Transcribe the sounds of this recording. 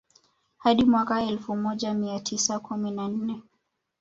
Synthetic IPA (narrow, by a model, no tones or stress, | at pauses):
haɗimwakaɛlfumɔʄamiatʰisakuminan̩nɛ